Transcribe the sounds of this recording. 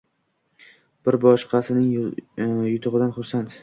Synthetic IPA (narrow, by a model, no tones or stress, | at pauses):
b̥ɪɾbɒʃqʰɑsɪnɪŋ | jʊt̪ʰʊʁɨd̪anχʊɾsant̪